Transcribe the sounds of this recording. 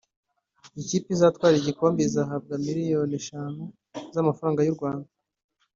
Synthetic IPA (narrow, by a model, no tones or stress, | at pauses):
iciːpizatwaːɾiiɟiko̞ːmbizaːɦab̚ɡamiɾijo̞niʃaːno | zamafɾaːŋɡajuɾɡwaːnda